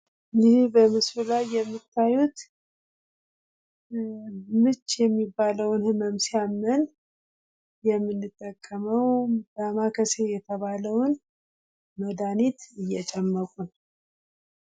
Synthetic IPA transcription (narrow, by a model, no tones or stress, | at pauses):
nihbəmɨsfulajːɛmːɨt̪ʰːajut̪ | mɨt͡ʃːjɛmːibːaləwnhɨməmsɪamːən | jɛmːɨnːɨt̪ʼːəkʼːəməwdamakʰəse̞jɛt̪ʰəβaləwn | məd̪anit̪ɨjːɛt͡ʃʼɛmːəkʼun